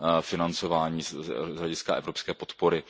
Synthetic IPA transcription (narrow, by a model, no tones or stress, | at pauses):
fɪnant͡so̞vaːɲiːzɦlɛɟɪskaʔɛvɾopskɛːpo̞t̪poɾɪ